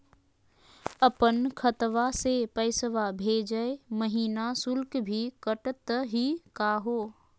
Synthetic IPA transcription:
əpənkʰət̪ʋasepəɪsʋabʱeːd͡ʒəeməɦiːnasʊlkbʱikəʈət̪ɦikaɦoː

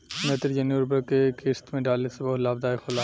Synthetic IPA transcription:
meːt̪əɾd͡ʒɐnjuɾbəɾkekeːst̪mẽɖaːlesebɔːlaːb̚d̪aːexolaː

